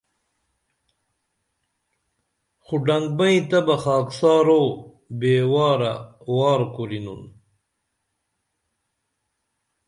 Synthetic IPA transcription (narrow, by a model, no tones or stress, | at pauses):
xuɖaŋɡ̚mɐĩt̪ɐbɐxaːksaːɾo | beːwaːɾa̰waːɾkuɾinṵn